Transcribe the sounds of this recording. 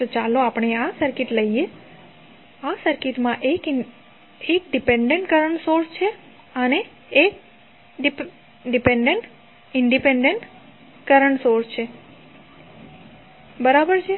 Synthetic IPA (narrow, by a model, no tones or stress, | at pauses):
t̪ot͡ʃaloapɳ̃easəɾkiʈləije | asəɾkiʈmãʔek | ek̚ɖipeɳɖeɳʈkəɾəɳsoɾst͡ʃʰe | əneː | k | ɖipeɳɖeɳʈ | ɪɳɖipeɳɖeɳʈ | kəɾəɳsoɾst͡ʃʰe | bəɾabəɾt͡ʃʰe